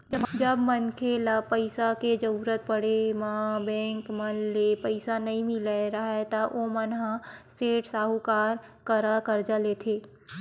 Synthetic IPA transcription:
d͡ʒəd͡ʒəbmənkʰelapəɪsaked͡ʒəɾuːɾət̪̚pəɽemãbɛ̃ːŋkmənlepəɪsanɐɦĩmɪleɾɐɦɛt̪aʔomənɦãseːʈsaːɦukaːɾkəɾakəɾd͡ʒalet̪ʰeː

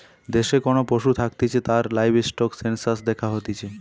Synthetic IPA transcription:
d̪eʃekonopɾoʃut̪ʰak̚t̪it͡ɕʰet̪aɾlajbʱesʈɔksensasd̪ɛkʰaɦot̪it͡ɕʰe

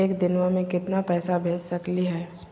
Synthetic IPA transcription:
eːkd̪ɪnʋãmẽkɪt̪napɛːsabʱeːt͡ʃsɐkliɦɛː

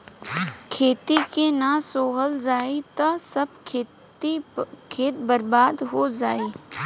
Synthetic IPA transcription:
kʰeːt̪ikenasoːɦəld͡ʒaːit̪ɐsəb̪̚ʰ | ikʰeːt̪̚bəɾbaːd̪ɦod͡ʒaːiː

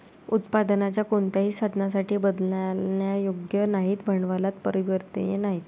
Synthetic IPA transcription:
ut̪pad̪nat͡ɕjakoɳt̪jaɦiːsad̪ʱnas̬aʈʰiːbəd̪lajajoɡjənaɦiːt̪bʱəɳʋalat̪pəɾiʋəɾt̪ḛjenaɦiːt̪

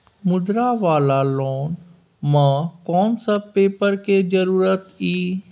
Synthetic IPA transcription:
mʊd̪ɾaʋaːlalɔːn | mãkɔːnsəb̚peːpəɾked͡ʒəɾuːɾət̪iː

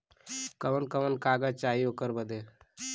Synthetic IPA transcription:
kəʋənkəʋənkaːɡat͡ʃaːɦiokəɾbəd̪e

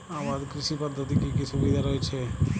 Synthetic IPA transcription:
aːʋaːd̪kɾɪʃipəd̪ʱːət̪ikikisʊʋid̪ʱaɾɔet͡ʃʰe

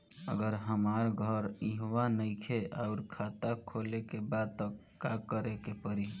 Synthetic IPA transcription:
ə̰ɡəɾɦəmaɾɡʱəɾiɦwanəɪkʰeʔaʊɾkʰat̪akʰolekebad̪̚t̪əkakəɾekepəɾi

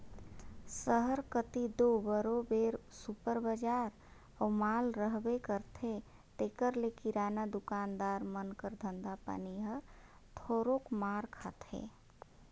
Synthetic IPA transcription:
səɦəɾkət̪id̪obəɾobeɾsupəɾbəd͡ʒaɾ | əumalɾəɦbekəɾt̪ʰe | t̪ekəɾlekiɾanad̪ukand̪aɾmənkəɾd̪ʱənd̪apa̰niɦəɾt̪ʰoɾokmaɾkʰat̪ʰḛ

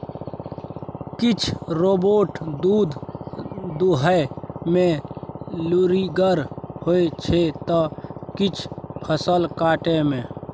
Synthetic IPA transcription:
kɪt͡ʃʰɾoːboːʈd̪uːd̪ | d̪uɦəmẽ | luɾiɡəɾhoet͡ʃʰet̪ɔkɪt͡ʃʰpʰəsəlkaːʈemẽ

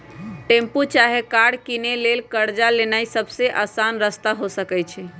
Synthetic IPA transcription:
ʈemput͡ʃaɦekaɽkinelelkəɾd͡ʒalenaisəbseʔasanɾəst̪aɦosəkɛt͡ʃʰɛ

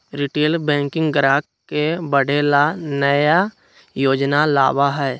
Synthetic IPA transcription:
ɾiʈeːlbɛ̃ːŋkɪ̃ŋɡɡɾaːk | kebəɽ̤elanəja | joːd͡ʒnala̰ːbaɦɛː

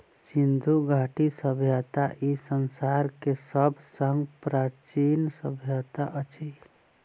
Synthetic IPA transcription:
sind̪ʱuɡʱaʈisəbʱjət̪aʔisənsaɾkesəbʱsəŋɡpɾat͡ʃinsəbʱjət̪aʔət͡ʃi

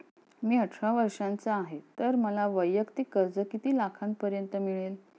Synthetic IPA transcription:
miːəʈʰʂaʋəɾʂant͡saaɦet̪əɾməlaʋəjːəkt̪ikəɾd͡zəkit̪iːlakʰan̚pəɾjənt̪əmiɭel

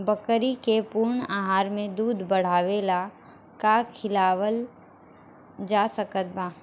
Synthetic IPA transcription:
bəkəɾikepuːɾɳaːɦaːɾmẽd̪uːd̪ʱbɐɽ̤aːʋeːla | kakʰɪlaːwəl | d͡ʒaːsəkət̪̚baː

